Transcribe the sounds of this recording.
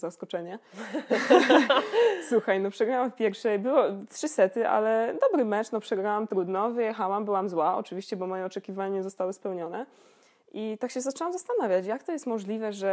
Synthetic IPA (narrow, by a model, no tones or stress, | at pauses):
zaskɔt͡ʂɛɲɛ | suxajnɔpʂɛɡɾawamfpʲjɛɾfʂɛjbɘwɔtʂɘsɛt̪ɘʔa̰lɛd̪ɔbɾɘmɛt͡ʂnɔpʂɛɡɾawamt̪ɾud̪nɔvɘjɛxawambɘwamzwaɔ̰t͡ʂɨvʲiɕt͡ɕɛbɔmɔjɛɔt͡ʂɛkʲivaɲaɲɛzɔst̪awɘspɛwɲɔnɛ | ʔit̪akɕɛzat͡ʂɛwamzast̪anavʲjat͡ɕjakt̪ɔjɛst̪mɔʐlʲivɛʐɛ